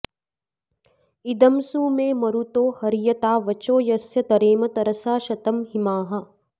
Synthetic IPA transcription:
id̪ɐmsuːmẽːmɐɾut̪oːhɐɾjɐt̪aːʋɐt͡ʃoːjɐsjɐt̪ɐɾeːmɐt̪ɐɾɐsaːʃɐt̪ɐmɦimaːɦɐ

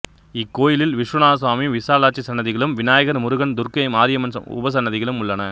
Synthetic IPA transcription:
ɪkːoːjɪlɪlʋɪʂɾʊnaːs̬ʋaːmiʋɪsaːlaːʈt͡ʃːisɐnːɐðɪɣɐɭɯmʋɪnaːjɐɣɐɾmʊɾɯɣɐnd̪ʊrkɐɪmaːɾɪjɐmɐnsɐ̰mʊ̰bɐs̬ɐnːɐðɪɣɐɭɯmʊɭːɐnɐ

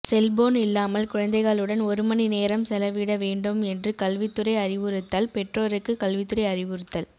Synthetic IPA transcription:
sɛlboːnɪlːaːmɐlkʊɻɐnd̪ɐɪɣɐɭɯɽɐnɔɾɯmɐnineːɾɐmsɛlɐʋiːɽɐʋeːɳɖɯmɛndrɯkɐlʋɪt̪ːɯrɐɪɐrɪʋɯɾɯt̪ːɐːlpɛʈroːɾɯkːɯkɐlʋɪt̪ːɯrɐɪɐrɪʋɯɾɯt̪ːɐl

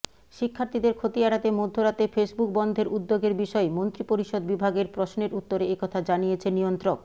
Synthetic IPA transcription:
ʃikʰːaɾt̪ʰid̪eɾkʰot̪iɛɽat̪emod̪ʱːoɾat̪efesbuk̚bɔnd̪ʱeɾʔud̪ːoɡeɾbiʃɔemont̪ɾipoɾiʃod̪̚bibʱaɡeɾpɾosneɾut̪ːoɾeekɔt̪ʰad͡ʑanijet͡ɕʰenijont̪ɾok

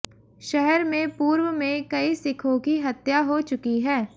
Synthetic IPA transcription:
ʃɛɦɛɾmẽpuːɾwəmẽkɐisɪkʰõkiɦɐt̪jaɦot͡ʃʊkiɦɛː

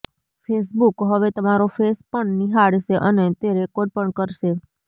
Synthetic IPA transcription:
fʰes̬bukɦəʋet̪əmaɾofespəɳniɦaɽʃeʔənet̪eɾekoɖ̚pəɳkəɾʃe

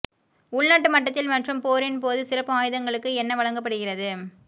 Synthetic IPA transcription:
ʊɭnaːʈːɯmɐʈːɐt̪ːɪlmɐʈrɯmpoːɾɪnpoːðɯsɪrɐpːɯaːjɯðɐŋɡɐɭɯkːɯɛnːɐʋɐɭɐŋɡɐpːɐɽɯɣɪrɐðɯ

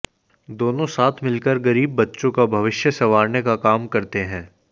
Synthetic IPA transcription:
d̪oːnõsaːt̪ʰmɪlkəɾɡɐɾiːbːɐtːʃõkabʱɐʋɪʃjəsɐʋaːɾnekakaːmkɐɾt̪eɦɛ̃ː

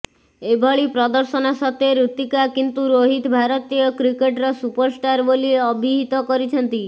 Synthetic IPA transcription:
ebʱɔɭipɾɔd̪əɾsɔnɔsɔt̪eɾut̪ikakint̪uɾoɦit̪bʱaɾɔt̪ijɔkɾikeʈɾɔsupəɾsʈaɾbolieɔbʱiɦit̪ɔkɔɾit͡ʃʰɔnt̪i

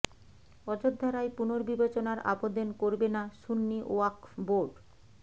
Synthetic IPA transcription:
ɔt͡ɕod̪ʱːaɾajpunoɾbibat͡ɕonaɾa̰pod̪enkoɾbenaʃunːiʔoakboɾɖ

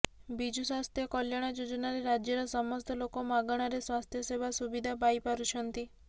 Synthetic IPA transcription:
bid͡ʒuswast̪ʰjɔkɔljaɽ̃ad͡ʒod͡ʒɔnaɾeɾad͡ʒjɔɾɔsɔmɔst̪ʰɔlokɔmaɡɔɽ̃aɾeswast̪ʰjɔsebʱasubid̪ʱapajpaɾut͡ʃʰɔnt̪i

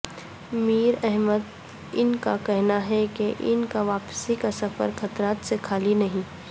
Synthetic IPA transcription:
miːɾɛɦməd̪ | ɪnkakɛɦnaɦɛkeʔɪnkaʋaːpsikasɐfə̰ɾxɐt̪ɾaːt̪sekʰaːlinɐɦĩː

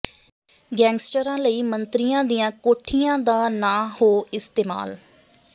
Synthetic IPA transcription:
ɡɛ̃ːŋɡsʈəɾãːləiːmənt̪ɾijãːd̪ijãːkoːʈʰːijãːd̪aːnaːhoːɪst̪eːma̰ːl

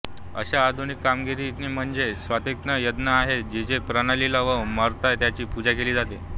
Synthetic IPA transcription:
ə̰ɕaːd̪ʱunikːamɡiɾiːt̪niːm̤əɳd͡zesʋat̪ek̚t̪nəjəd̪naaɦet̪̚d͡ʑid͡ʑepɾanalilaʋəməɾt̪at̪jat͡ɕiːpud͡ʑakeliːd͡zat̪e

